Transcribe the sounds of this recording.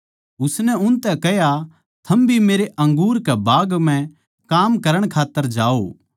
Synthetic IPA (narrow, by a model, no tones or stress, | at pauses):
ʊsnɛʊnt̪ɛkɛɦja | t̪ʰɐmbʱimeːɾeʔɐ̃ŋɡuːɾkɛbaːɡm̤ɛ̃ | kaːmkɐɾəɽ̃kʰaːt̪ːəɾd͡ʒaːo̰